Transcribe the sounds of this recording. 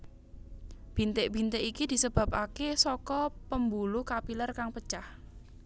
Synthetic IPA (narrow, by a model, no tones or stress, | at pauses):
b̥int̪eʔb̥i̤nt̪eʔikid̪̥i̤səb̥a̤p̚akesɔkɔpəmbulukapilərkaŋpət͡ʃah